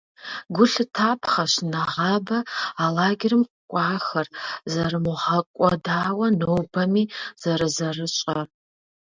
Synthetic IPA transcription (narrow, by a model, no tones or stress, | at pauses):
ɡʷʊɬɨtʰapʰχɐʃnaʁabɐːlaːɡʲɪrɨmqʷkʷʼɑːxɐrzɐɾɨmuʁakʷʼɔdaːwɐnɨwbɐmiz̥aɾɨzɐrɨt͡ʃʼɐr